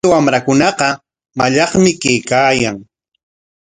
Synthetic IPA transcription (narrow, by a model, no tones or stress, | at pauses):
awamɾakʊnɑqɑ | maʎɑχmɪkejkaːjaŋ